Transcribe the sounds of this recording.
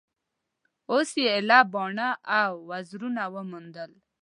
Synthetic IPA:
osjeelabɔɳaʔawːazɾunawəmund̪əl

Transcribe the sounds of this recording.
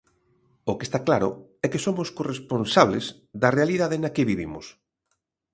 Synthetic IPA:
ʊkest̪aklaɾʊ̰ɛkesomoskoresponsaβ̞lez | ðɐrealiðaðenɐkeβiβimʊs

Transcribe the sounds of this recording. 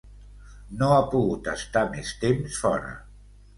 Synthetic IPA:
noapuɣut̪əst̪amest̪emsfɔɾə̰

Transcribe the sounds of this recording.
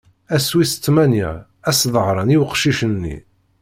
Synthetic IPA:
æswisə̥t͡sːmæniʕ | æsðˤəʁɾˤɑniwəqʃiʃənːḭ

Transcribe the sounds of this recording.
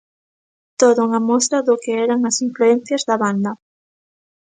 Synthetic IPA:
t̪oðʊuŋamɔst̪ɾɐðʊkeɛɾaŋɐsiɱfluen̟θjɐzðɐβand̪ɐ

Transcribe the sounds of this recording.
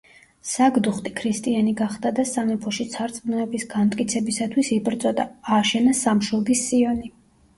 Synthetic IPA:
saɡd̪uχt̪ʼikʰɾist̪ʼianiɡaχd̪ad̪asanɛpʰɔʃit̪sʰaɾt̪sʼmnnɛbisɡamt̪ʼkʼit̪sʰɛbisat̪ʰwisibʼɾt̪sʼɔd̪aːʃɛnasamʃɔɡisiɔni

